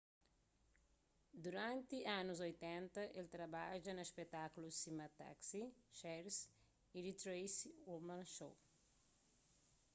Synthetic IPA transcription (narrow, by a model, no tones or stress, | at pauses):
d̪uɾãnt̪ianuzojt̪ɛ̃nt̪ɐʔelt̪ɾɐbaʒɐnɐʃpet̪akulusimɐt̪a̰ksiʃɛɾs | id̪it̪ɾejsiomãnʃow